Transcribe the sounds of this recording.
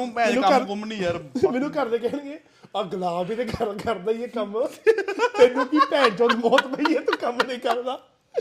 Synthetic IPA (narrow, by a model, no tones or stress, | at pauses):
mɛ̃ːũəkʊmnĩːəmɛːnũːkəɾd̪eːkɛːniːeː | əɡəlaːbiːd̪eːɡʱəɾɡəɾd̪aːieːkəm | t̪eːnũːkiːpɛ̃ːɳt͡ʃõːd̪mɔːt̪bəiːɛːt̪ũːkəmnĩːkəɾd̪aː